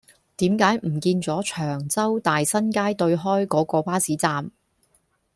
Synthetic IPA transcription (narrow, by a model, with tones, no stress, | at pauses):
t̪iː˨˥mkaː˨˥jm̩˨˩kiː˧nt͡sɔː˨˥t͡ʃʰœː˨˩ŋt͡sɐ˥wt̪aː˨jsɐ˥nkaː˥jt̪ɵ˧ɥɦɔː˥jkɔː˨˥kɔː˧paː˥siː˨˥t͡saː˧m